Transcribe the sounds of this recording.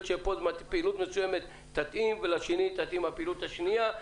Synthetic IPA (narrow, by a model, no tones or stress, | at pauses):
t̪ʃepod̪matpeilut̪mesuje̞met̪ːat̪ʔimvelaʃenit̪at̪imhapeilut̪haʃnia